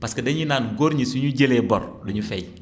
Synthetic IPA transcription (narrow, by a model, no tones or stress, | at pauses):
paskɐdɐɲinaːnɡoːɾɲisuɲuɟeleːbɔ̰ɾduɲufɛj